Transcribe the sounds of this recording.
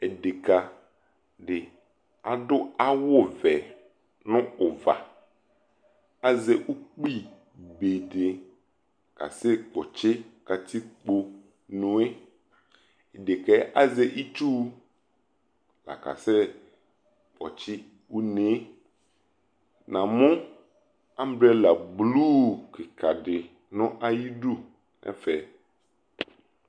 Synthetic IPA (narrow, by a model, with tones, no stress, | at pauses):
ɛ˨de˨ka˨ | ɖɪ˨ | a˨dʊ˦a˦wʊ˦˨vɛ˨ | nʊ̃˦ʊ˨va̰˨ | a˦zɛ˨ʔu˦k͡pi˦ | be˨de˨ | ka̰˨sɛ˦k͡pɔ˨t͡ʃɪ˦ka˨ti˦k͡po˨ | nʊ̃˨˦e˦ | e˨de˨kɛ˦ʔa˦ze˦ʔi˦t͡ʃu˦ | la̰˨ka̰˨se˦ | k͡pɔ̰˨t͡ʃɪ˦ | wu˦ne˦ | nã˨mʊ̃˦ | a˦m˦bɾɛ˦la˨blu˦kɪ˨kʰa˨ɖɪ˨ | nʊ̃˦ʔa˦ji˦ɖu˦ | ɛ̰˦fɛ˨